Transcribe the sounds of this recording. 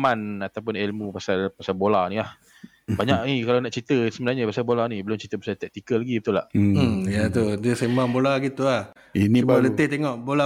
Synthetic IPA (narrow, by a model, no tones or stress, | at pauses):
manat̪awp̬ʊnelmupasalpasalbolanilah | baɲaʔikalawnaʔt͡ʃit̪əsəbənarɲəpasalbolanibəlʊmt͡ʃit̪əpḁsat̪ɛk̚t̪ikəlːaɡibət̪ula̰ʔjat̪udəsemaŋbolaɡit̪uah | iniubalət̪ɪht̪eŋɔʔbola